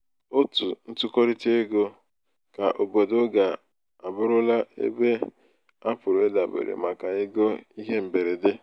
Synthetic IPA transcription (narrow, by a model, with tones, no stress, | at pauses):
o˦tu˨n̩˦tʊ˦ko˦ɾi˦te˦ɡo˦ | ka˨ʔo˨bo˨dʊ˦ɡa˨ | a˨bʊ˦ɾʊ˦la˦ḛ˦be˦ | a˦pʊ˨ɾʊ˨e˦da˨bḛ˨ɾḛ˨ma˨ka˨e˦ɡo˦i˦ɦe˦m̩˨be˨ɾe˨dɪ˦